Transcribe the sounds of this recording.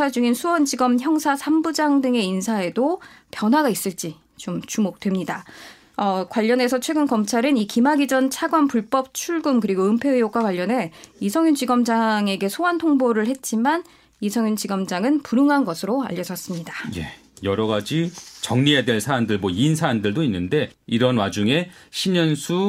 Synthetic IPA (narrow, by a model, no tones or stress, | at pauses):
ad͡ʑuŋinsʰuwʌnd͡ʑiɡʌmçjʌŋsʰasʰambud͡ʑaŋdɯŋe̞insʰae̞dopjʌnɦwaɡais͈ɯɭt͡ɕ͈i | t͡ɕomt͡ɕumok̚twe̞mɲida | ʌkwaʎːʌne̞sʰʌt͡ɕʰwe̞ɡɯnkʌmt͡ɕʰaɾɯnikimaɡid͡ʑʌnt͡ɕʰaɡwanpuɭp͈ʌp̚t͡ɕʰuɭɡumkɯɾiɡoɯmpʰe̞ɯjok͈wakwaʎːʌnɦe̞isʰʌŋjund͡ʑiɡʌmd͡ʑaŋe̞ɡe̞sʰoantʰoŋboɾɯɭhe̞t̚t͡ɕ͈iman | isʰʌŋjunt͡ɕiɡʌmd͡ʑaŋɯnpuɾɯŋɦanɡʌsʰɯɾoa̰ʎːʌd͡ʑʌs͈ɯmɲidḁje̞̰ | jʌɾʌɡad͡ʑit͡ɕʌŋɲiedweɭsʰaɾandɯɭmoinsʰaɾandɯɭdoinːɯnde̞iɾʌnwad͡ʑuŋe̞ɕʰimɲʌnsʰu